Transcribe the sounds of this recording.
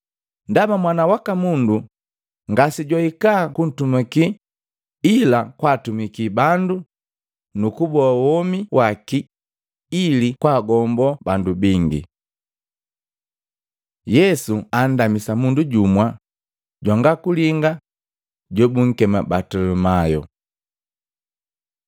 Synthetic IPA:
ndamamwanawakamundu | ŋɡasiɟwaikaːkun̩tumakiː | lakwaːtumikibandu | nukubɔawɔmiwʔakiː | likwaːɡɔmbɔbandubiŋɡḭ | jɛsuan̩damisamunduɟumwa | ɟwaŋɡakuliŋɡa | ɟɔbuŋ̩kɛma̰batɔlɔmajɔ̰

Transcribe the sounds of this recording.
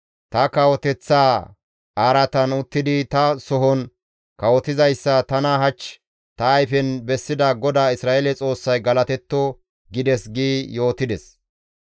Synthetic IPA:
t̪ɐkɐwɔt̪ɛt͡sːaː | aːɾɐt̪ɐnʊt̪ːɪd̪ɪt̪ɐsɔɦɔn | kɐwɔt̪ɪzɐjsːɐt̪ɐnaɦɐt͡ʃː | t̪ɐːjfɛnbɛsːɪd̪ɐɡɔd̪aːɪsɾaːʔelɛt͡sʼo̞ːsːɐjɡɐlɐt̪ɛt̪ːɔ | ɡɪd̪ɛsɡiːjo̞ːt̪ɪd̪ɛs

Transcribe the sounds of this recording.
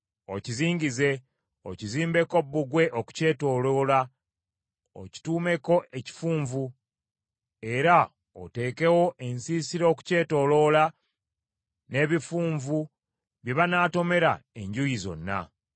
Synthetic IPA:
ociziːɲɟize̞ | ociziːmbe̞ko̞bːuɡwe̞ʔoku̥ce̞ːto̞ːlo̞ːla | o̰ci̥tuːme̞ko̞ʔeci̥fuːɱvu | e̞ɾa | ote̞ːke̞wo̞ʔe̞nsiːsiɾo̞ku̥ce̞ːto̞ːlo̞la | ne̞ːβifuːɱvu | βje̞βanaːto̞me̞ɾa̰e̞ɲɟujizo̞̰nːa̰

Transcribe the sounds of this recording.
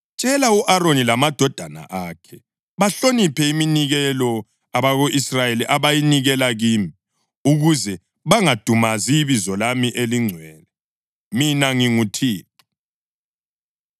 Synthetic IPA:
t͡ʃʼɛlauʔaɾonilamad̥ʱɔd̥ʱana̰ʔaːkʰɛ | βaɬonipʰɛiminiɣɛlɔ | aβaɣoʔisrajeliʔaβajiniɣɛlaɣiːmi | uɣuzɛ | βaŋad̥ʱumaziβizɔlamiʔeliŋ͡ǀʱwɛːnɛ | minaŋiŋutʰiːtu̥

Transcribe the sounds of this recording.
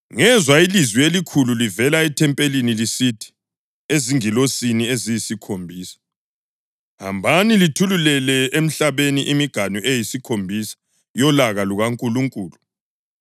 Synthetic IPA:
ŋɛzwailizwielikʰululivɛlaɛtʰɛmpʼelinilisitʰi̥ | eziŋilosiniezijisikʰombʱiːsḁ | ha̰mbʱanilitʰululɛlɛem̩ɬaβeniʔimiɡ̥ʱanuʔejisikʰombʱisḁ | jɔlaɣaluɣaŋkʼuluŋkʼuːlu

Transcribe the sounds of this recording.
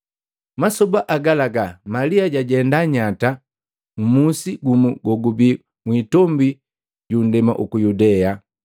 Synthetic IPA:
masɔbaʔaɡalaɡamaliaɟaɟɛndaɲata | m̩musiɡumuɡɔɡubi | mwitɔmbi | ɟun̩dɛma̰ʔukujudɛa

